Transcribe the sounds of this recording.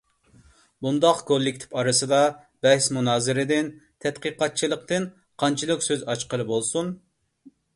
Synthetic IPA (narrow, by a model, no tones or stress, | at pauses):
bund̪ɑqkʰolˠːɪkʲt̪ʰɪ̥pɑɾɨsɨd̪ɑ | b̥ɛhsmunɑːzɨɾɪd̪ɪnt̪ʰɛt̪qiqɑt̪̚t͡ʃʰilˠəqt̪ɨn | qʰɑnt͡ʃʰilˠɨkʲsøzɑt͡ʃqəlˠɨbolˠsun